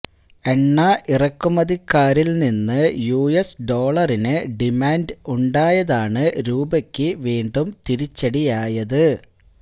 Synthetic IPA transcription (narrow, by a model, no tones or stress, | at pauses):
e̞ɳːɐʔirɐkːumɐðikːaːɾilninːɨjuːesɖo̞ːɭɐrinɨɖimaːnduɳɖaːjɐðaːɳɨɾuːbɐkʲːɨʋiːɳɖumt̪iɾit͡ɕːɐɽijaːjɐðɨ